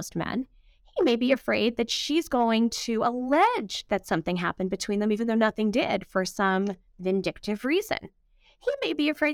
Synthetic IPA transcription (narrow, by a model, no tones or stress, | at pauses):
ʊst̚mæ̰̃n | himeɪbiɨfɹeɪd̪̚ðɨtʃizɡoʊɪ̃ŋtʰɨəlɛd͡ʒðɨtsʌ̃mθɪ̃ŋɦæ̰pɨ̃nbɨtʰw̥ĩnðɨ̃mivɨ̃n̩ðoʊnʌθɪ̃ŋdɪd̥fə˞sʌ̃ɱ | vɨ̃ndɪk̚tɨvɹizɨ̰̃n | himeɪbiɨfɹeɪ